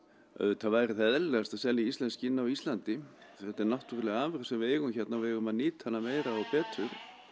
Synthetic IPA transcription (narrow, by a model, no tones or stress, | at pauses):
œ̰ðʏt̪ʰavajɾɪθɛðɛllɛɣast̪aðsɛljaist̪lɛnscɪɪnːawist̪lant̪ɪθɛht̪ɛɾnaht̪uɾʏlɛɣaaːvɛɾsɛmvɪɛɣʏmçɛt̪navɪɛɣʏmaðniːt̪hanːameːjɾaawpɛːt̪ʰʏɾ̥